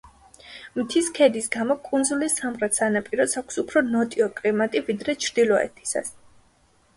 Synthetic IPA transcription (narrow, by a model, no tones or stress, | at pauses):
mt̪ʰiskʰɛd̪isɡamɔkʼund̪zulisːamʁɾat̪sanapʼiɾɔsakʷʰsupʰɾɔnɔt̪ʼiɔkʼlimat̪ʼivid̪ɾɛt͡ʃʰɾd̪ilˠɔɛ̰t̪ʰi̥sa̰s